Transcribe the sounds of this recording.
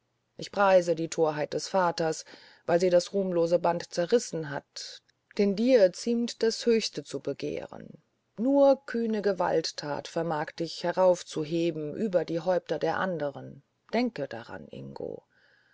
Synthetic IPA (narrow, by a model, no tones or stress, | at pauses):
ʔɪçpʁ̥aɪzədiːtʰoːɐɦaɪt̚d̥ɛsfaːtɐs | vaɪlziːdasʁuːmloːzəbantt͡sɛɐʁɪsn̩ɦat | d̥ɛndiːɐt͡siːmtd̥ashøːçstət͡subəɡḛːʁə̰nː | uːɐkʰyːnəɡəva̰lttʰa̰ːtfɛɐmaːkd̥ɪçhɛʁaʊft͡suɦeːbm̩ʔyːbɐdiːɦɔʏp̚tɐdeːɐʔandəʁən | d̥ɛŋkəd̥a̰ʁa̰nʔɪ̰ŋɡo̰ː